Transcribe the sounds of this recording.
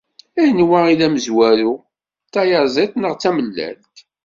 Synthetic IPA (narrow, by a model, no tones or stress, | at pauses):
æjnwæilæməzwæɾu | t̪ːæjəɾzˤeθnəʁt͡sːæməlːæ̰lk